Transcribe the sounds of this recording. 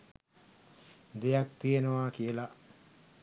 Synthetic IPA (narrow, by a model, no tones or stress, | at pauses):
d̪ejak̚t̪ijenəʋaːkijəla